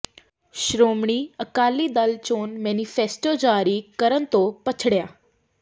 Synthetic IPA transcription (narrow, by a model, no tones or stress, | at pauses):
ʃɾoːmɳ̃iːəkaːlid̪əlt͡ʃoːnmɛːnifʰeːsʈoːd͡ʒaːɾikəɾənt̪oːpət͡ʃʰɽjaː